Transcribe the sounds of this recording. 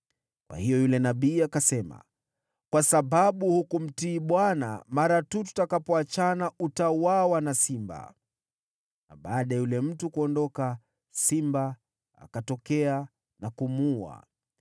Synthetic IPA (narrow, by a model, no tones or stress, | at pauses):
kwa̰hijɔjulɛnaɓiːakasɛma̰ | kwasaɓaɓuhukum̩tiːɓwana̰maɾatut̬u̥takapɔat͡ʃanautauwawanasimba̰ | na̰ɓaːɗaɛjulɛm̩tukuɔndɔka | simba | a̰katɔkɛa | nakumua̰